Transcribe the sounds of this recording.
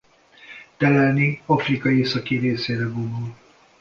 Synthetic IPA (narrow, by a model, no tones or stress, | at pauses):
t̪ɛlɛlniɒfrikɒjeːsɒkiɾeːseːɾɛɡond̪ul